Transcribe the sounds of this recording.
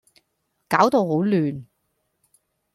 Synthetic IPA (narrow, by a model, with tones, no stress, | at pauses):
kaː˨˥wt̪o˨˧wɦo˨˥wlyː˨n